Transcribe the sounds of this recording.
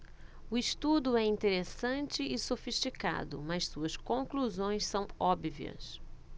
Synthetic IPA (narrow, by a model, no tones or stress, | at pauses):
ʊiʃt̪ud̪ʊɛĩnt̪eɾesɐ̃nt͡ʃɪɪsofiʃt͡ʃika̰d̪ʊ̰mɐssuɐskõkluzõj̃ssɐ̃w̃ɔbviɐ̰s